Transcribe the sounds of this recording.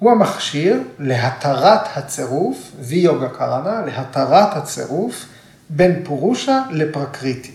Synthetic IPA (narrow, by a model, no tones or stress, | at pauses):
huamaχʃiʁleɦat̪ʰaʁat̪hat͡seʁufvijoɡakʰaʁanaleɦat̪aʁat̪hat͡sḛʁuf | be̞npuʁuʃalepʁakʁit̪i̥